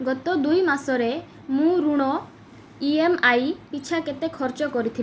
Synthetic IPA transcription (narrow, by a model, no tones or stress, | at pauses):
ɡɔt̪ɔd̪ujmasɔɾe | mũɾuɽ̃ɔ | iemajpit͡ʃʰaket̪ekʰɔɾt͡ʃɔkɔɾit̪ʰi